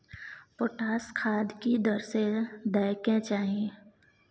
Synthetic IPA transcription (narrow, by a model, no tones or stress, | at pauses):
poʈaːskʰaːd̪kid̪əɾsed̪əjkẽt͡ʃaːɦiẽ